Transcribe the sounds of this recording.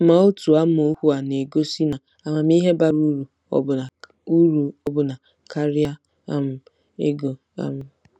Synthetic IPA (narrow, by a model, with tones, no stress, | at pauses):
ma˨o˦tu˨a˦m˦o˦hu˦a˨ne˨ɡo˦si˦na˨ | a˨ma˨m˦i˦ɦe˦ba˦ɾu˦ɾu˨ | ɔ̰˦bʊ˨a˨ | u˦ɾu˨ɔ˦bʊ˨na˨ | kʰa˦ɾi˦a˦ | a̰˦m̩˨ | ḛ˦ɡo˨ | a̰˦m̩˨